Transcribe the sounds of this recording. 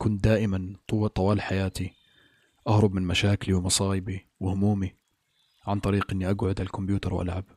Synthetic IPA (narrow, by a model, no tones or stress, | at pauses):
kʊnt̪̚d̪aːʔɪmant̪ˤɑwɑːlħajaːt̪i | ʔahɾˤʊbmɪnmaʃaːkliwmɑsˤɑːʔɪbi | wɪhʊmuːmi | ʕant̪ˤɑɾiːqʔɪnːiʔaɡʕʊd̪ʕalkʊmbjuːt̪ɑɾˤwʔa̰lʕab̚